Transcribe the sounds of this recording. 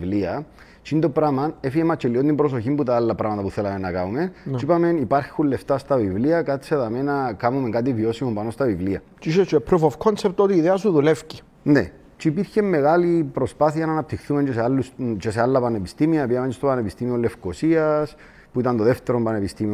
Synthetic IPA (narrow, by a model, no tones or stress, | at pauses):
vliɐ | t͡ʃind̪opɾamɐnefiemɐt͡ʃeliont̪imbɾos̬o̞çimbut̪aalːɐpɾamɐt̪ɐpuθe̞lɐmenːɐkaumenipame̞nipaɾxulːe̞ft̪ast̪ɐvivliɐkat̪i̥seðame̞nɐkamumeŋkat̪̬ivio̞simumpano̞st̪ɐvivliɐ | t͡ʃiʃet͡ʃepɾofofkʰonsep̚t̪ot̪iːðeɐsuðulefci | nḛ | t͡ʃiipiɾçe̞mːe̞ɣalipɾo̞spaθiɐnaːnɐp̚t̪ixθume̞ɲt͡ʃesealːust͡ʃesealːɐpane̞pist̪imiɐpiɐmeɲt͡ʃest̪opanepist̪imiole̞fko̞siɐs | puit̪ɐnt̪oðeft̪e̞ɾompanepist̪imio